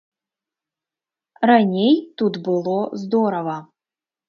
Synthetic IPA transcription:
ranʲejt̪ut̪bɨlˠozd̪oɾəvə

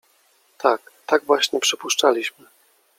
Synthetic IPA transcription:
t̪ʰakt̪aɡvwaɕɲɛpʂɘpuʂt͡ʂalʲiɕmɘ

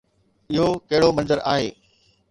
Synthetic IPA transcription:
ɪɦokɐɦɪɽomɐ̃nzəɾa̰ːɦḛː

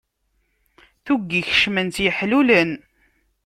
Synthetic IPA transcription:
θuɡːiçə̥ʃmənt̪jəħlulən

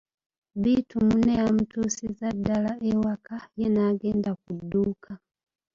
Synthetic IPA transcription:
biːtumuneamutuːsizadːalaʔewakajenaːɡe̞ːndakuduːkʰa

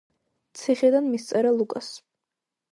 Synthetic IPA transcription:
t̪sʰiχɛd̪anmist̪sʼɛɾalˠukʼas

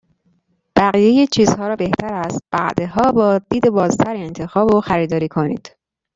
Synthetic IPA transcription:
b̥æɣije̞jet͡ʃʰiːz̥hɒːɾɒːbe̞ht̪ʰæɾæst̪̚b̥æʔd̪eɦɒːbɒːd̪iːd̪ebɒːzt̪ʰæɾie̞nt̪ʰe̞xɒːboxæɾiːd̪ɒːɾiːkʰo̞nḭːd̪̥

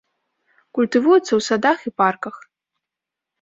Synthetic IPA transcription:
kulʲt̪ɨvujɛt̪sːɐwsad̪axiparkɐx

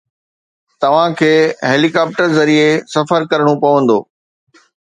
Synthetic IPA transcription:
t̪ɐʋ̤ãkʰeːɦeːlikaːp̚ʈəɾzɐɾiesɐfəɾkɐɾəɽ̃opɐʋə̃nd̪o̰ː

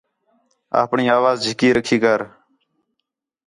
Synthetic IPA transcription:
a̰ːpɳiːaːʋaːzd͡ʒʱɪkiːɾəkʰiːkəɾ

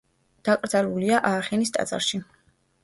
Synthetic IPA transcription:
d̪̥akʼɾd̪zaluliaʔaːχɛnist̪ʼa̰t̪zʼa̰ɾʃi

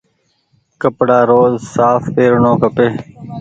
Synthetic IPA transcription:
kəpɽaːɾoːzsaːfpeːɾɳõːkəpeː

